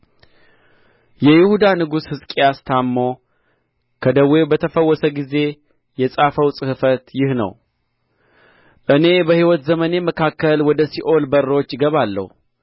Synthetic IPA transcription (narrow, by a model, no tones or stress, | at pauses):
jɛjɪhud̪anɨɡushɨskʼijast̪ʰamːo̞ | kʰəd̪əwebət̪ʰəfəwːɔsəɡize̞ | jɛsʼafəwsʼɨhɨfət̪jɪhnə̰w | ʔɨne̞bəhiwɔt̪zəməne̞məkʰakːəlwɔd̪əsiʔo̞lbərːo̞t͡ʃːɡəβalːə̰hu